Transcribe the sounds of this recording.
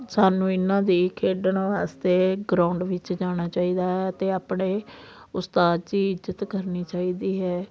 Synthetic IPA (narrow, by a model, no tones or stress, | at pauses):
saːnũːɪnãːd̪iːkʰeːɖəɳʋaːst̪eːɡɾãːʊɳɖʋɪt͡ʃd͡ʒaːɽ̃aːt͡ʃaːiːd̪aːɦɛːət̪eːaːpɳeː | ʊst̪aːd̪d͡ʒiːɪzət̪kəɾniːt͡ʃaːiːd̪iːɦɛː